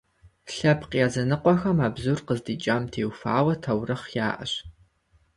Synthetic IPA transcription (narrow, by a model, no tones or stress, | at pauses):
ɬɐpqjaːzɐnɨqʷɔxɐmaːbzurqəzdiːt͡ʃʼaːmtʰeːwfa̰ːwɐtʰɐwrɨχjaːʔɐ̰ɕ